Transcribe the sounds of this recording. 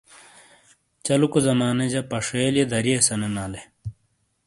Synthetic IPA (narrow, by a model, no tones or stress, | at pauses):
t͡ɕɐlukuzɐmaːned͡ʑɐpɐʂeːljed̪ɐɾiesɐnenaːle